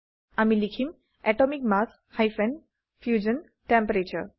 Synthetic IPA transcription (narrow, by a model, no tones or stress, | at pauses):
amilikʰim | ɛʈɔmikmas | hajfɛ̃ɳɖ | fjuːd͡ʑən | ʈẽmpəɾet͡ɕəɾ